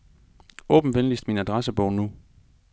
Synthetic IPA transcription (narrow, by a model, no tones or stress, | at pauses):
ɔ̰̽ːb̥n̩ʋenlisd̥̚minæd̥ʁasəb̥ɔʊnu